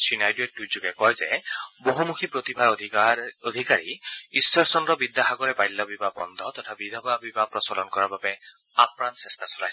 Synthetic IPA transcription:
sinajduek̚dud͡ʒuɡɛkɔjzɛboɦumukʰipɹot̪ibʱaɹʱ | ɔd̪ʱikaɹḭisːɔɹsɔnɾɔbid̪ːaɦaɡɔɾɛbajlːɔbibabɔ̰nd̪ʱɔt̪ɔt̪ʰabid̪ʱɔbabibapɾɔsɔlɔnkɔɹaɹbabɛ | apɾansest̪ʰasɔlajs

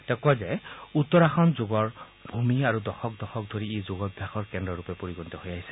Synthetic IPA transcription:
tɛkuazɛutːɔɹaxɔnzoɡɔɹ | bʱumiaɹudɔxɔk̚dɔxɔk̚dʱoɹiːzoɡɔbʱjaxɔɹkɛndɹɔɹupɛpoɹiɡɔntɔhojaɦisɛ̥

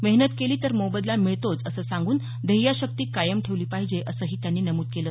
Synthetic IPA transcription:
məɦnət̪keliːt̪əɾmobəd̪lamiɭt̪od͡zəsəːsãŋɡuːn | d̪ʱəɦijaɕək̚t̪iːkajəmʈʰeʋliːpaɦid͡ʑeʔəsəːɦiːt̪janːiːnəmuːt̪̚keləː

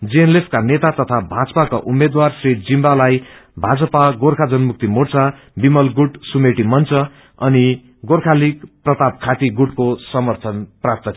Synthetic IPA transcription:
d͡zienlepʰkanet̪at̪ʌt̪ʰabʱad͡zʌ̥pakoʔumːed̪warsrid͡zimbalajbʱad͡zʌpaɡorkʰad͡zʌnmuk̚t̪imort͡sa | bimʌlɡuʈsumeʈimʌnt͡sʌ | ʌni | ɡorkʰalikprʌt̪ap̚kʰat̪iɡuʈkosʌmʌrt̪ʰʌnprap̚t̪ʌ

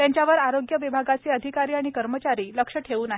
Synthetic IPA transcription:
t̪jaɲt͡ɕjaʋəɾaɾoɡjəʋibʱaɡat͡seːəd̪ʱikaɾiːaɽ̃ikəɾmət͡ɕaɾiːləkʂəʈʰeʋuːnaɦ

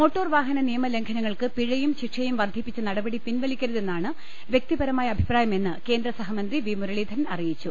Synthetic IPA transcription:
mo̞ːʈːo̞ːrʋaːɦɐnɐnijɐmɐle̞ŋkʰɐnɐŋːɐɭkɨpiɻɐjumɕiʈʂɐjumʋɐrd̪ʱipːit͡ɕːɨnɐɽɐbɐɽipinʋɐɭikʲːɐɾɐðe̞nːaːɳɨ | ʋjek̚t̪ibɐɾɐmaːjɐbʱipraːjɐme̞nːɨke̞ːnd̪ɾɐsɐɦɐmɐnd̪riʋiːmuɾɐɭiːd̪ʱɐnɐrijit͡ɕːu

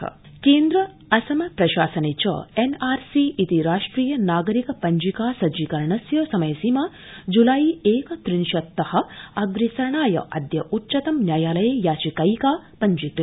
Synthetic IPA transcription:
keːnd̪ɾɐ | ɐsɐmɐpɾɐʃaːsɐnit͡ʃɐ̰enaːɾsiːʔit̪iɾaːʂʈɾiːjɐnaːɡɐɾikɐpɐɲd͡ʒikaːsɐd͡ʒikɐɾɳɐsjɐːsɐmɐjɐsimaː | d͡ʒulaːjieːkɐt̪ɾinʃɐt̪ːɐhɐ̆ɐɡɾisɐɳaːjɐ̰ʔɐ̰d̪jɐʔutːʃɐt̪ɐmnjaːjaːlɐjeːjaːt͡ʃikɐjkaːpɐɲd͡ʒik

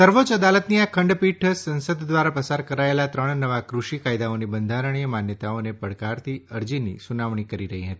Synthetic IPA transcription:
səɾʋot͡ʃəd̪alət̪niakʰəɳɖpiʈʰsə̃nsəd̪ːʋaɾapəsaɾkəɾaelat̪ɾəɳ̃nəʋakɾuʂikajd̪aonibənd̪ʱaɾəɳiəmanjət̪aonepəɽkaɾt̪ʰiəɾd͡ʒinḭsunaʋɳ̃ikəɾiɾəɦiɦət̪i

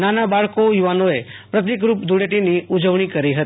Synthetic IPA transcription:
nanabaɭkojuʋanoe | pɾət̪̬ikɾupd̪ʱuɽeʈiniud͡ʒəʋɳ̃ikəɾiɦət̪i̥

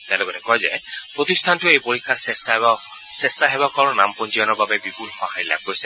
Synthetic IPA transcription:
tɛ̃lɔkɔtɛkɔjzɛ̰pɹotistʰantʊejpoɹikʰːaɹsɛs | sɛsaɦɛbakɔɹɔnampɔnziɔnɔɹbabɛbipulxɔhajla̰b̚ɡojsɛ

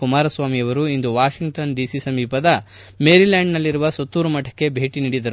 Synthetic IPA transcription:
kumaːɾɐsʋaːmiɐʋɐɾuind̪uʋaːʃiŋɡ̚ʈɐnɖisisɐmiːpɐd̪ɐ | meːɾilaːɳɖnɐlːiɾuʋɐsɐt̪ːuːɾumɐʈːɐ̥kːe̞bʱe̞ːʈiniːɽid̪ɐɾu

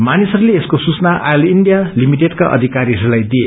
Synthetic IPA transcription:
manisʌɾuleeskosut͡snaʔajliɳɖijalimiʈeɖkaʔʌ̰d̪ʱikaɾiʌɾulajd̪ie

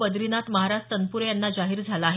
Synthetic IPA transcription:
bəd̪ɾinat̪məɦaɾasʈt̪ənpuɾjanːad͡ʑaɦiːɾd͡zʱalaːɦe

